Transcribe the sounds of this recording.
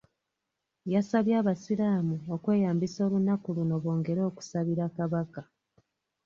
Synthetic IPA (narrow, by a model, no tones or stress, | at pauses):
jasaβjaːβasiɾaːmuokwe̞ːjaːmbiso̞ːlunakuluno̞βoːŋɡe̞ɾo̞ːku̥saβiɾakaβaka